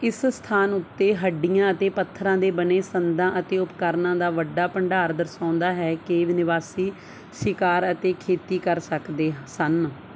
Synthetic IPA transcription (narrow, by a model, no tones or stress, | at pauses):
ɪsst̪ʰaːnʊt̪ːeːɦəɖːɪjãːət̪eːpət̪ʰːɾãːd̪eːbəneːsənd̪ãːʔət̪eːʊpkəɾnãːd̪aːʋəɖːaːpəɳɖaːɾd̪əɾsãːʊnd̪aːɦɛːkeːʋɪnɪʋaːsiː | ʃɪkaːɾət̪eːkʰeːt̪iːkəɾsəkd̪eːsən